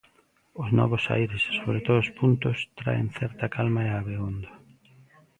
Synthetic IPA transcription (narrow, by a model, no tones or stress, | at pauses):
ʊznɔ̰βʊsa̰jɾesːoβɾet̪oðospunt̪ʊst̪ɾa̰ḛŋθɛɾt̪ɐkalmaeaβeond̪ɐ